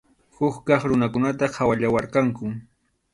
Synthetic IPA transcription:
xʊkkɑχɾʊnakʊnat̪ahawaʎawaɾqɑŋkʊ

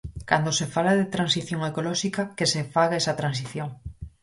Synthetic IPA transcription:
kand̪osefalaðet̪ɾansiθjoŋekolɔʃikakesefaɣaɛsɐt̪ɾans̬iθjoŋ

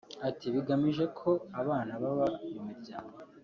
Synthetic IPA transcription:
atiβiɡamiʒe̞kʰo̞aβaːnaβaβaijomuɾɟaːŋɡo

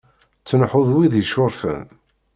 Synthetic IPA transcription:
t͡sːənħʊðˤwiðjʃʊɾfə̰m

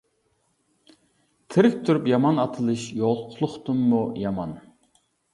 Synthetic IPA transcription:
t̪ʰɪɾɪkʲt̪ʰyɾypjɑmɑnɑt̪ʰɨlˠɨʃjoʁlˠqʰʊlˠʊχt̪umːujɑmɑn

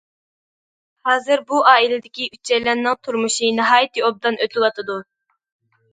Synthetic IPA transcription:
hɑːzɨɾbuɑːilɪd̪ɪkʲiʔyt͡ʃʰːɛjlɛnːɨŋt̪ʰuɾmuʃinɨɦɑːjt̪ʰɨob̚d̪ɑnʔøt̪ʰɪlˠɑt̪ʰɨd̪u

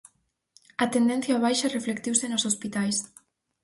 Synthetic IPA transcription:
at̪end̪enθjaːβ̞ajʃareflekt̪iwsenosospit̪ajs

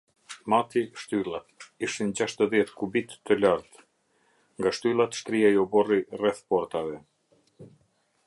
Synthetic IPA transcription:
mat̪iʃt̪ylˠat̪iʃind͡ʑaʃt̪əðjɛt̪kubit̪ːəlaɾt̪ | ŋɡaʃt̪ylˠat̪ʃt̪ɾiaiɔbɔrirɛθpɔɾt̪avɛ

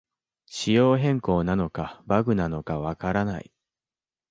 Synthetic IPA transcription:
ɕijo̞ːɦẽ̞ŋko̞ːnano̞kabaɡɯ̟nano̞kaβakaɾana̰ḭ

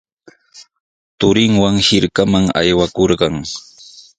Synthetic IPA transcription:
t̪ʊɾɪŋwaŋhɪɾkamaŋa̰jwakoɾɢɑŋ

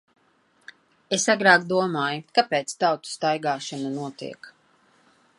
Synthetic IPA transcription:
esaɡɾaːkd̪uɔmaːjukapeːt̪st̪awt̪u̥st̪ajɡaːʃanunuɔt̪ḭɛk

